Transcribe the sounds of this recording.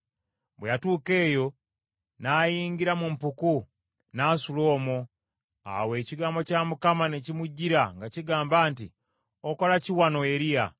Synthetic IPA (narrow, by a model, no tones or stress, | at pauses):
bwejatuːke̞ːjo̞ | naːjiːŋɟiɾamumpuku | nasulo̞ːmo | a̰we̞ːciɡaːmbo̞camukamane̞cimuɟːiɾaŋɡaciɡaːmbaːntḭ | oko̞laciwano̞eɾija̰